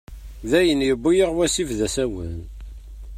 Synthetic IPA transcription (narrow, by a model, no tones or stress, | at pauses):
ðæjənjəbːijəʁwæsifðæsæwə̰n